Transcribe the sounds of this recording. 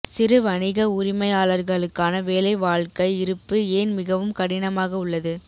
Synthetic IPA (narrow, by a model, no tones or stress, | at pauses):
sɪɾɯʋɐɳɪɣɐʊɾɪmɐɪaːɭɐɾɣɐɭɯkːaːnɐʋeːlɐɪʋaːɭkɐɪɪɾɯpːɯeːnmɪɣɐʋɯmkɐɽɪnɐmaːɣɐʊɭːɐðɯ